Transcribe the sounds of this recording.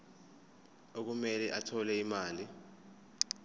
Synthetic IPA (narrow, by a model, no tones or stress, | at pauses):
ok̬umɛlɛʔatʰɔlɛimaːli